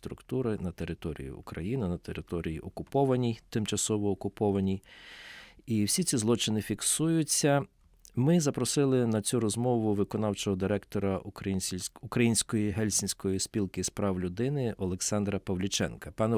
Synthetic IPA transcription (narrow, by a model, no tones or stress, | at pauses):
t̪ɾʊkt̪uɾɪnɐt̪eɾɪt̪ɔɾʲḭjḭʊ̰kɾɐ̰jinɪnɐt̪eɾɪt̪ɔɾʲijḭʔɔkʊpɔʋɐnʲijt̪ɪmt͡ʃɐsɔʋɔːkʊpɔʋɐnʲij | iwsʲit͡sʲizlˠɔt͡ʃɪnɪfʲiksujʊt͡sʲːɐ | mɪzɐpɾɔsɪlˠɪnɐt͡sʲuɾɔzmɔʋʊʋɪkɔn̪ɑwt͡ʃɔɦɔd̪ɪɾɛkt̪ɔɾɐnʲʊkɾɐjinʲsʲkɔjiɦɛlʲsʲɪnʲsʲkɔjispʲilˠkɪspɾɑwlʲʊd̪ɪnɪʔɔlˠeksɑnd̪ɾɐpɐwlʲʊt͡ʃɛ̰nkɐpɑnɛ